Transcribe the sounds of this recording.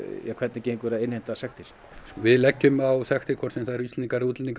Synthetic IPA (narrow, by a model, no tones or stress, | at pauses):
jɛkʰvɛt̪nɪcejŋkvɛːɾaðejnhent̪asɛxt̪ɪɾ̥ | vɪðlɛcːʏmawsɛxt̪ɪkʰvɔtsɛmθaðɛɾʏist̪niŋkaɾɪuːt̪lniŋk